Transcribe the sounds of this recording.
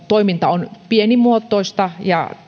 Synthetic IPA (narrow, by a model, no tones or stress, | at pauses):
t̪oimint̪ɑonpienimuot̪ːˑoˑist̪ɑjɑ̰